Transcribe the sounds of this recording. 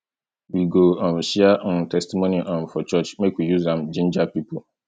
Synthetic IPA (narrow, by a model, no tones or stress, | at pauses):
wiɡoãnɕian̩tʰɛstimõnĩʔãnfɔt͡ʃʰɔt͡ʃmẽkwijuzãmd͡ʒĩnd͡ʒapipʰo